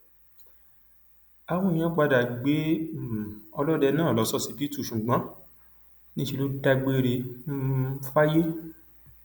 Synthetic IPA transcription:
a˧w̃ɔ̃˦ĩ˨˧j̃ã˦k͡pa˧da˨ɡ͡be˨˦˨ | ɔ˧lɔ˦dɛ˧nãː˦˨lɔ˨˦sɔ˦si˧bi˦tu˦˨ʃũ˨ɡ͡bã˨˦ | nĩ˦ʃi˧lo˦da˧ɡ͡be˦ɾe˧m̩˦fa˦je˦

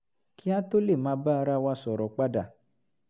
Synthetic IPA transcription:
kʰi˦a˦to˦le˦˨mãː˨˦ba˦a˧ɾa˧wa˧sɔ˨ɾɔ˨˦k͡pa˦da˦˨

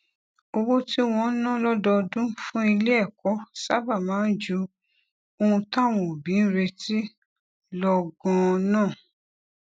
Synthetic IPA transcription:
o˧wo˦ti˦w̃ɔ̃˧˦nã˦lɔ˦dɔ˧dũ˦fũ˦i˧le˦ɛ˦˨kɔ˨˦sa˦˨ba˦˨mãː˨˦n̩˦d͡ʒu˨˧˦ | o˧hũ˧tã˦˨w̃ɔ̃˨bĩ˨˦n̩˦ɾe˧ti˦ | lɔ˧ɡɔ̃˧nãː˦˨

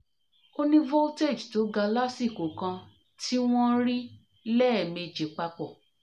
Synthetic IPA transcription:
o˧nĩ˦vɔ˦te˦˨d͡ʒto˨˦ɡa˧la˦si˦˨ko˨kã˧ | ti˦w̃ɔ̃˦ɾi˦ | lɛː˦˨me˧d͡ʒe˨˦k͡pa˧k͡pɔ˨

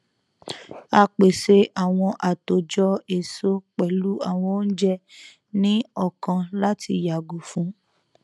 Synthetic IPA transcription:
a˧k͡pe˨se˧a˨w̃ɔ̃˧ʔa˨to˨d͡ʒɔ˧e˨so˦k͡pɛ˨lu˨˦a˦˨w̃ɔ̃˧o˦n̩˦d͡ʒɛ˦ | nĩ˦ɔ˦˨kã˧la˦ti˧ja˨ɡo˨fũ˨˦

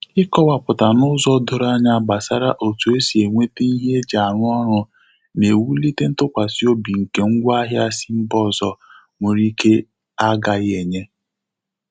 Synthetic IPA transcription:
ɪ˦kɔ˦wa˨pʊ˨ta˨nʊ˦zɔ˦dʊ˨ɾa˦ɲa˦˨ba˨sa˦ɾa˦ʔo˨tu˨e˦si˨e˨ŋʷe˦te˦ni˦ɦe˦d͡ʒa˨ɾʊ˦ɔ˦ɾʊ˨ | ne˨wu˦li˦te˦n̩˦tʊ˦kʷa˨si˦o˦bi˨ŋ̩˨ke˨ŋ̩˦ɡʷa˦ɦja˦si˦m̩˦bɔ˦zɔ˨ | mʊ˨ɾi˦ke˦ | a˦ɡa˨ɣe˨ɲe˦

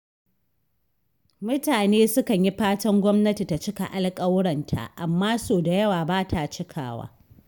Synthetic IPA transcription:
mʊ˦taː˨neː˦sʊ˦kɐ˨ɲji˦ɸaː˦tɐ˦ŋɡʷɔ˦mnɐ˦ti˨ta˨t͡ʃɪ˦ka̰˨ʔa˨lkʼɐ˦wɽɐ˨ntʰa̰˨ʔa˨mːaː˦soː˨da˨jɐ˦waː˨baː˦tʰa˨t͡ʃɪ˦kʰa̰ː˨wa̰ː˦

